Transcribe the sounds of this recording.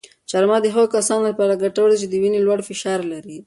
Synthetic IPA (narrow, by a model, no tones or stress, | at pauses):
t͡ʃaɾmɑd̪əɦaɣokasɑnoləpɑɾaɡaʈawəld̪it͡ʃed̪əwinelwaɽfɪʃɑɾlaɾi